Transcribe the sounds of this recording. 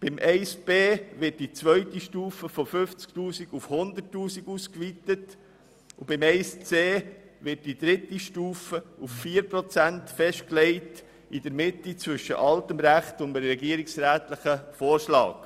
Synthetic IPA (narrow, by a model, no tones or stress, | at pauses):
b̥ɪmʔɛɪsb̥eːʋɪt̚d̥it͡sʋœʏtiʃtuːfəfofʏft͡sktuːsiɡufhʊnd̪ətːuːsiɡuskʋitət | ubɪmɛɪst͡seːʋɪt̚d̥idɾɪtiʃtuːfəufːiːɾpɾot͡sæntfɛʃtklɛɪt | idəɾmɪtːit͡svʏʃːə̰ʔɑltəmɾæχtʊndəɾɛɡiəɾiksɾæːtləχəfoːɾʃlɑ̰ːk